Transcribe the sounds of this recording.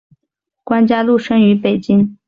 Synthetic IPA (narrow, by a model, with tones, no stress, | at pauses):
kwa˥nt͡ɕja˥lu˥˩ʂə˥ŋy˧˥pe˨˩ɪt͡ɕi˥ŋ